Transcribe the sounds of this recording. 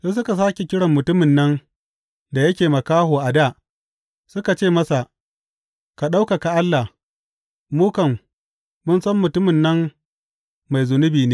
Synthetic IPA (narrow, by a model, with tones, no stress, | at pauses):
seː˦s̬ʊ˦ka˨s̬aː˦kʲe˨kʲɪ˦ɽɐ˨mːʊ˨tʊ˦mɪ˨nːɐ˦n | da˨jɐ˦kʲeː˨mɐ˨kaː˦ɦoː˨ʔa˨daː˦˨ | sʊ˦ka˨t͡ʃeː˦˨mɐ˦sa˨ʔ | ka˨ɗa˦wka˨ka˨ʔa˦lːa˨h | muː˦kɐ˨mː | ʊ˦nsɐ˦mːʊ˨tʊ˦mɪ˨nːɐ˦mː | a˨jzʊ˨nʊ˦biː˨neː˦